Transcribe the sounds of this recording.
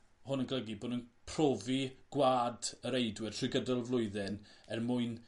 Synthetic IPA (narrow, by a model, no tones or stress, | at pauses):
hʊnənɡlˠəɡiboːdənpʰroːviɡ̥waːdəɾejdwɛr̥tʰrɪɡədɔlˠvlˠʊɨðɛnɛrmʊɨn